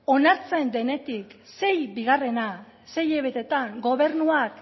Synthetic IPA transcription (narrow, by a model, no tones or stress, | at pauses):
o̞naɾt͡se̞nd̪e̞ne̞t̪ikse̞jbiɣare̞na | se̞je̞βe̞t̪e̞t̪aŋɡo̞β̞e̞ɾnuak